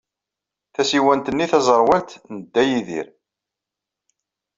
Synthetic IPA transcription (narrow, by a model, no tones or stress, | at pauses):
θæsiwænt̪ənːiθæzˤəɾˤwælt̪nəd̪ːæjiðḭɾ